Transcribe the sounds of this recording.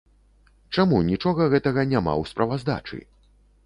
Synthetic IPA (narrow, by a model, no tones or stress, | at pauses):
t͡ʂamunʲit͡ʂɔɣɐɣɛt̪ɐɣɐnʲama̰wspɾɐvazd̪a̰t͡ʂɨ̰